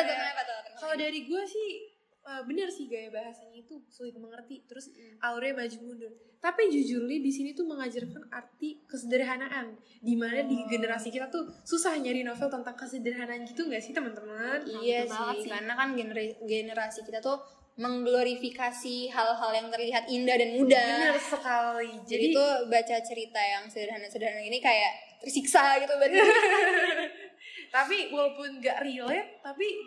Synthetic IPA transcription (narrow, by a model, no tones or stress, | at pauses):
aɡaaat̪kaladaɾiɡuasɪh | əːbənərsɪhɡajabaɦasaɲait̪usulɪt̪̚məŋərt̪it̪əɾʊsʔalɾɛmad͡ʒumundʊ | t̪apid͡ʒud͡ʒurlɪdisinit̪uməŋad͡ʒarkanart̪ikəsədəɾɦanaʔan | dimanadiɡənəɾasikit̪at̪ususahɲaɾinofɛlt̪ənt̪aŋkəsədəɾɦanaːnɡit̪uŋɡaʔsɪht̪əmənt̪əmənijasiakarnakanɡnɡenəɾasikit̪at̪u | məŋɡloɾifikasiɦalɦaljaŋt̪ərliɦat̪indahdanmudaniaɾusːəkalid͡ʒadiit̪ubat͡ʃat͡ʃəɾit̪ajaŋsədəɾɦanasədəɦananɡinikajaʔt̪ərsiksaɡit̪ubat̪ | t̪apiwalapʊnɡaʔrilɛt̪ːapi